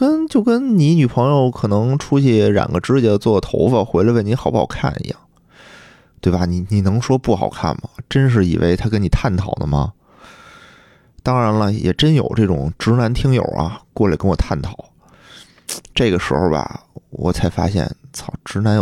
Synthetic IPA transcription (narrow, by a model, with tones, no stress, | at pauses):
kə˥nt͡ɕjo˥˩ʊkə˥nni˧˥ny˨˩pʰɤ˧˥ŋjo˥˧ʊkʰɤ˨˩nɤ˧˥ŋʈ͡ʂʰu˥t͡ɕʰi˥˩ɻa̰˨˩nɡə˦ʈ͡ʂɻ̩˥t͡ɕi˧˩d̪ə˧˦t͡swɔ˥˩t̪ʰo̰˧˥ʊfə˧xwe˧˥ɪlə˧we˥˩ɪni˧˥xɑ˨˩ʊpɑ˨˩ʊkʰa̰˥˩nḭ˧˥jɑ̰˥˩ŋ | t̪we˥˩ɪbɐ˩ni˧˩ni˨˩nɤ˧˥ŋʂwɔ˥pu˥˩xɑ˨˩ʊkʰa̰˥˩nmɐ˩ʈ͡ʂə˥nʂ̬ɻ̩˥˩ḭ˨˩wʔḛ˧˥ɪt̪ʰa˥kə˥ni˨˩t̪ʰa˥˩nt̪ʰɑ˨˩ʊd̪ə̰˦mɐ̰˩ | t̪ɑ˥ŋɻa˧˥nlə˧jɛ̰˨˩ʈ͡ʂə˥njo̰˨˩ʊʈ͡ʂɤ˥˩ʈ͡ʂʊ̰˨˩ŋʈ͡ʂɻ̩˧˥na˧˥nt̪ʰi˥ŋjo̰˨˩ʊʔɐ̰˧kwɔ˥˩lə̰˨˩kə˥nwɔ˨˩t̪ʰa˥˩nt̪ʰɑ˨˩˦ʊ | ʈ͡ʂɤ˥˩ɡə˩ʂɻ̩˧˥xo˥˧bɐ̰˨˩wɔ̰˨˩t͡sʰa˧˥ɪfa̰˥ɕjɛ̰˥˩nt͡sʰɑ˨˩ʈ͡ʂɻ̩˧˥na˧˥nj